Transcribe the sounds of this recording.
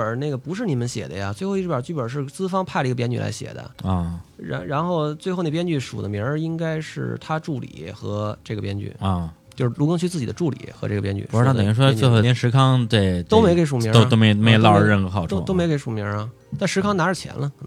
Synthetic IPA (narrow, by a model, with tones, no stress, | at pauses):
ə˞˨˩ne˥˩ɡə˩pu˧˥ʂɻ̩˥˩ni˨˩mə˦nɕjɛ̰˨˩d̪ə̰˦ja˧t͡swe˥˧ɪxo˧i˥˩˥jə˞˨˩t͡ɕy˥˩pə˨˩ʂ̬ɻ̩˥˩t͡sɹ̩˥fɑ˥ŋpʰa˥˩ɪlə˩˧˥əpjɛ˥nt͡ɕy˨˩la̰˧˥ɪɕjɛ̰˨˩d̪ə̰˦˥˧ɻa̰˧˥nɻa˧˥nxo˥˩ʊt͡swe˥˧xo˥˩n˥˩pjɛ˥nt͡ɕy˥˩ʂu˨˩d̪ə̰˦mji˧˥˧i˥ŋka˥ɪʂɻ̩˥˩t̪ʰa˥ʈ͡ʂu˥˩lḭ˨˩˦xɤ̰˧˥ʈ͡ʂɤ˥˩ɡə˩pjɛ˥nt͡ɕy̰˥˩˧t͡ɕjo˥˧ʂɻ̩˥˩lu˧˥kɤ˥ŋt͡ɕʰy˥˧t͡sɹ̩˥˩t͡ɕi˨˩d̪ə˦ʈ͡ʂu˥˩lḭ˨˩˦xɤ˧˥ʈ͡ʂɤ˥˩ɡə˩pjɛ˥nt͡ɕy̰˧˩u˧˥˩i˨˩i˥ʂwɔ˥e˧xo˥˧˩ʂɻ̩˧˥kʰɑ˥ŋt̪we˥˧˩ɪt̪o˥ʊme˧˥ɪke˧˥ʂ̬u˨˩mi˧˥o˥t̪o˥ʊme˧˥˧me˥˧lɑ˥˧ɻə˥˩xə˧˥xɑ˨˩ʊʈ͡ʂʰo˥to˥me˧˥ɪke˧˥ɪʂu˨˩mi˧˥ɐ˧ | t̪a˥˩ʂɻ̩˧˥kʰɑ˥ŋna˧˥ə˨˩t͡ɕʰjɛ̰˧˥nlə˧k